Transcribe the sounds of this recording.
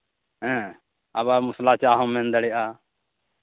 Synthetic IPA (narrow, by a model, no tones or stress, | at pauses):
ɦɛ̃ | abamuslat͡ʃaɦɔ̃mːɛnd̪aɽɛjʔa